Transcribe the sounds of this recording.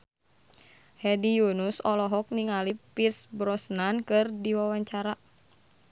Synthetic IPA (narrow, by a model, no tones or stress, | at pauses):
hɛdijunusɔlɔɦɔk̚niŋalipirsbɾɔsnankɨrdiwawaɲt͡ʃaɾa